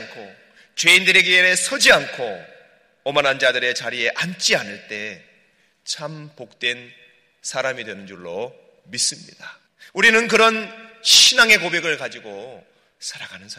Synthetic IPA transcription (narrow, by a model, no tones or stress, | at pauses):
nkʰo | t͡ɕwe̞indɯɾe̞ɡeeɾesʰʌd͡ʑiankʰo | ʌmanɦand͡ʑadɯɾe̞t͡ɕaɾie̞ʔant͡ɕ͈ianɯɭt͈e̞ | t͡ɕʰampok̚t͈we̞n | sʰaɾamidwenɯnd͡ʑuɭːo | mis͈ɯmɲḭd̥a | uɾinɯnkɯɾʌnɕʰinaŋe̞kobe̞ɡɯɭkad͡ʑiɡo | sʰaɾaɡanɯnsʰa